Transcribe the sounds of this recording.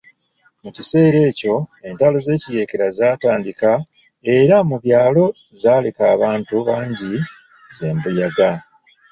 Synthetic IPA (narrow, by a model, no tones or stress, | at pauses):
mucise̞ːɾe̞ːco̞e̞ntalo̞ze̞ːcije̞ːkeɾazaːtaːndika | e̞ɾamuβjaːlo̞ | zaːle̞kaːβaːntuβaːɲɟi | ze̞ːmbujaɡa